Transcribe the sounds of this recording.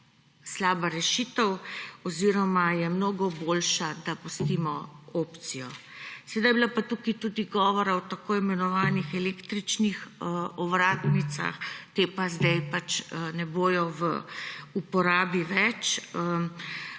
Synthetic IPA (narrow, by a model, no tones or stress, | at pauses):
slaːbaɾɛʃiːt̪əwɔziːɾɔmajɛmnoːɡɔbolʃad̪apust̪iːmɔoːpt̪sijɔ | sɛd̪ajblapat̪ukit̪uːd̪iɡɔːʋɔɾaɔt̪akoːimɛnɔʋaːnixɛlekt̪ɾit͡ʃnixɔʋɾaːt̪nit̪sa̰xt̪epazd̪ɛjpat͡ʃnɛboːjɔʋə̰upɔɾaːbiʋɛt͡ʃ